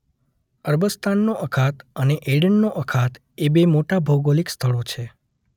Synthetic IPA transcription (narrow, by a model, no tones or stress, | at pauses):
əɾbəst̪ʰanːoʔəkʰat̪əneʔeɽəɳnoʔəkʰat̪ | ebemoʈabʱoɡolikst̪ʰəɭot͡ʃʰe